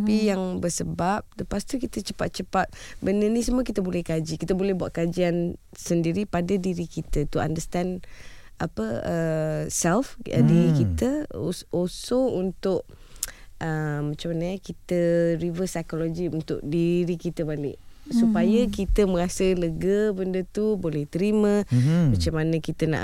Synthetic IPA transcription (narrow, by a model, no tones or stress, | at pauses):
apijaŋbəsəbap̚dəpast̪ikit̪ət͡ʃəpat̪̚t͡ʃəpat̪̚bənənisəmũək̬it̪əbolɛhkad͡ʒikit̪əbolɛhbuaʔ̪̚kad͡ʒian | səndiɾipadadiɾikit̪ət̪ua̰ndəst̪an | apəəsɛlfə̰diɾikit̪əolsount̪ʊʔ | ʔəmːat͡ʃamanə̃kit̪əɾivəsajkolod͡ʒiunt̪ʊ̰ʔ̚diɾikit̪əbalɪ̰ʔsupajakit̪əmə̃ɾasələɡəbəndət̪ubolɛht̪əɾimə̃mat͡ʃamanə̃kit̪ənã̰ʔ